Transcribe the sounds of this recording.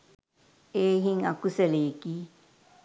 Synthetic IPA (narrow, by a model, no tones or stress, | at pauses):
eɦiŋakuseleki